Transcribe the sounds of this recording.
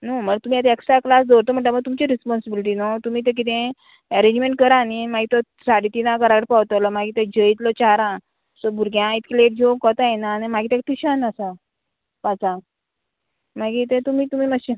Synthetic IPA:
noməɡt̪umiːjat̪̬eeksʈɾaklasd̪ɔɾt̪om̤əɳʈ̬ləməɡ̚t̪umt͡ɕiɾispɔnsibiliʈ̬iːnot̪umiːt̪̬ẽk̬it̪ẽ | ɛɾẽɲd͡ʑmẽɳʈkəɾãnimaɡit̪ɔ | saɽit̪inãkəɾaɡəɽpawt̪alɔmaɡit̪ẽd͡ʑəit̪lɔt͡ɕaɾã | sɔbʱuɾɡjãit̪kleʈ̚d͡ʑokɔt̪ajenanemaɡiːt̪ẽk̚t̪iɕanasa | pat͡sa | maɡit̪ẽt̪umiːt̪umiːməɕ

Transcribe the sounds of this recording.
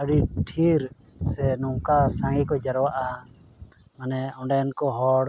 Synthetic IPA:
aɽiʈʰiɾ | sɛnɔŋkasãŋɡikɔd͡ʒaɾɔwaʔa | manɛɔɳɖɛnkɔɦɔɽ

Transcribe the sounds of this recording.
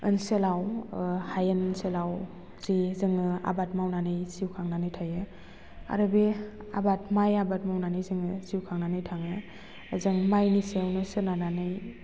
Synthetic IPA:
ɯ̰nselawhajɯnselaw | zizɯŋɯa̰bat̚mawnanɯjsiwkʰaŋnanɯjtʰajɯ | a̰ɾɯbi | a̰batmajabat̚mawnanɯjzɯŋɯsiwkʰaŋnanɯjtʰaŋɯ | zɯŋmajnisewnɯsɯnananɯj

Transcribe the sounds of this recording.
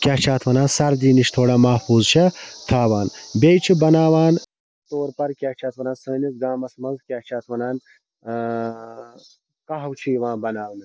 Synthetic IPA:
kʲat͡ʃʰaːt̪ʰʋɐnaːnsɐɾd̪iːniʃt̪ʰoːɽaːmɐːfuːzt͡ʃʰɐt̪ʰaːwaːnbʲejt͡ʃʰibɐnaːʋaːn | t̪oːɾpɐɾkʲat͡ʃʰaːt̪ʰʋɐnaːnsəːnisɡaːmɐsmɐnzkʲaːt͡ʃʰaːt̪ʰʋɐnaːn | kɐɦɐwt͡ʃʰiʋãːnbɐnaːwɐnɐ

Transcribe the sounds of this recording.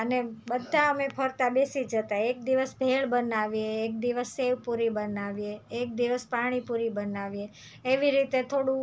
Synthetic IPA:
ənebəd̪ʱaəmepʰəɾt̪abesid͡ʒət̪aek̚d̪iʋəsbʱeɭbənaʋieːk̚d̪iʋəsːeʋpuɾibənaʋieːk̚d̪iʋəspaɽ̃ipuɾibənaʋieː | ʋiɾit̪et̪ʰoɽũ

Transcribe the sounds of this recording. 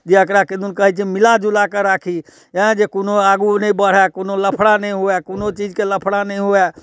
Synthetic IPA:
d͡ʒeəkɾaked̪unkəɦɛt͡ʃʰɛmilad͡ʒulakəɾakʰi | ɛ̃d͡ʒekonoaɡunəĩbəɽ̤ɛkonoləpʰɽanɛ̃ɦoɛkonot͡ʃid͡ʒkeləpʰɽanɛĩɦoɛ

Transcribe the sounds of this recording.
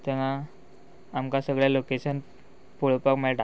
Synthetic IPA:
t̪ɛʋaː | mkasəɡɭjalokeɕən | puɭpəkmɛʈ

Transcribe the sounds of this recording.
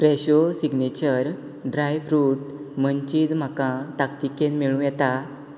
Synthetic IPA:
pɾɛɕosiɡnet͡ɕəɾ | ɖɾajfɾuːʈ | məɲt͡ɕiːd͡zm̤akãt̪akt̪ikenmeɭũjɛt̪a

